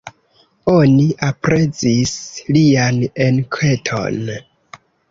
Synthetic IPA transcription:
o̞niʔapɾe̞t͡sislianenkʰe̞tʰo̞̰n

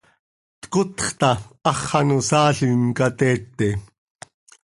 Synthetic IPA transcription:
t̪ə̥kʊt̪ə̥χt̪aɑχːɑnusaːɬinkat̪eːt̪ːe

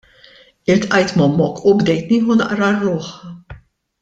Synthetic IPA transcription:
ɪlt̪ʔɐjt̪mɐmːɔkʰːubd̪ɛjt̪niːħunɐʔɾɐrːʊːħ

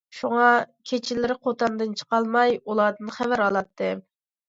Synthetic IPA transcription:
ʃuŋɑkʲʰet͡ʃʰɪlɪɾɪqʰot̪ɑnd̪ɨnt͡ʃʰə̥qɑlˠmɑjulˠɑːd̪ɨnχævæɾɑlˠɑt̪ʰːɨ

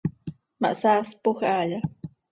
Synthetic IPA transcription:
ma̰ʔsaːspoxaʎa

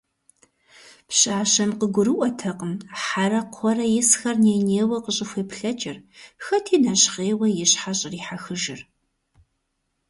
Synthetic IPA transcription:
pɕʼaːɕɐmqəɡʷʊɾɨʔʷɔtʰɐqəmħaɾɐqʷʰɔɾɐjɪsxɐrneːneːwɐqəɕʼɪxʷeːpɬɐt͡ʃʼɪrxɐtʰiːnɐɕχeːwɐjɪɕħaɕʼɪriːħaxɨʒɪr

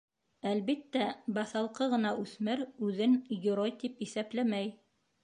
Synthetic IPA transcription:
ælβit̪ːæbɑθɑlˠqɤʁɤ̆nɑʔʉθmɘɾʉðɘnjŏɾojt̪ipisæplæmæj

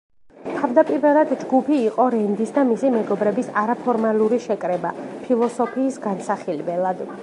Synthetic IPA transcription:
t̪ʰavd̪apʼiɾvɛlˠad̪d͡ʒɡupʰiːqʼɔɾɛnd̪isd̪amisimɛɡɔbɾɛbisaɾapʰɔɾmalˠuɾiʃɛkʼɾɛbapʰilˠɔsɔpʰiːsɡansaχilbɛlˠad̪

